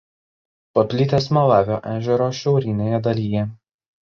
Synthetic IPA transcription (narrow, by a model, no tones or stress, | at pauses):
pɐpʲlʲɪt̪ʲesmɐlˠɑːʋʲoːʔæːʒʲɛɾoːʃʲɛʊɾʲinʲejɛd̪ɐlʲijɛ